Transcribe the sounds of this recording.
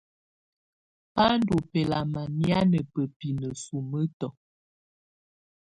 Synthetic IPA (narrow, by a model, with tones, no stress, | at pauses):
pa˦n˦do˨pɛ˨la˨ma˨nja˦nə˨pə˨pi˨nə˨su˨mə˦tɔ˨